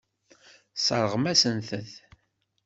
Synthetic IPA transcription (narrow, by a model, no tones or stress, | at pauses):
səɾˤəʁmæsənθəθ